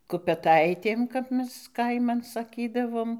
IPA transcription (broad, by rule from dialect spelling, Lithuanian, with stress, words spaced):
kʊpʲɛˈtɐɪtʲeːm kɐp ˈmʲɛs ˈkɐɪmɐn sɐˈkʲiːdɐʋoːm